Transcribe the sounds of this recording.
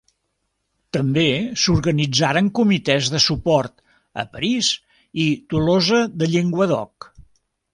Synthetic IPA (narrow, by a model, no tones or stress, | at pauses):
t̪əmbesuɾɣənid͡zaɾəŋkumit̪ɛzðəsupɔrt̪ | ə̰pəɾis | it̪ulozəðəʎeŋɡwəðɔ̰k